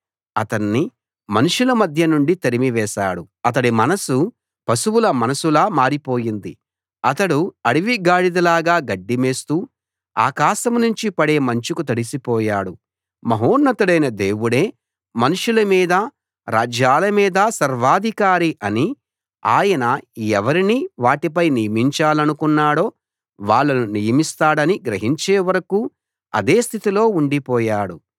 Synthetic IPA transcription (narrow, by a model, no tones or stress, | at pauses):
ɐt̪ɐnːi | mɐnuʂulɐmɐd̪ʱjɐnuɳɖit̪ɐɾimiʋɛːʃaːɽu | ɐt̪ɐɽimɐnɐsu | pɐsuwulɐmɐnɐsulaːmaːɾipoːjind̪i | ɐt̪ɐɽuɐɽiʋiɡaːɽid̪ɐlaːɡaːɡɐɖːime̞ːst̪uː | a̰ːkaːʃɐmnuɲt͡ʃipɐɽe̞ːmɐɲt͡ʃukut̪ɐɽisipɔːjaːɽu | mɐɦoːnːɐt̪uɽɐjnɐd̪e̞ːwuɽe̞ː | mɐnuʂulɐmiːd̪ɐ | ɾa̰ːd͡ʒjaːlɐmiːd̪ɐsɐɾʋaːd̪ʱikaːɾiʔɐni | a̰ːjɐnɐɛʋɐɾiniʋaːʈip̬ɐjnijɐmiɲt͡ʃaːlɐnukunːaːɽo̞ː | ʋaːɭːɐnunijɐmist̪aːɽɐniɡɾɐɦiɲt͡ʃeːʋɐɾɐkuː | ɐ̰d̪eːst̪ʰit̪ilo̞ːuɳɖipɔːjaːɽu